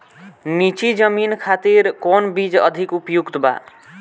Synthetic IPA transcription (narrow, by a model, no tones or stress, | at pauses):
nit͡ʃid͡ʒəminkʰat̪iɾkonbid͡ʒʌ̰d̪ʱikupjukt̪ba̰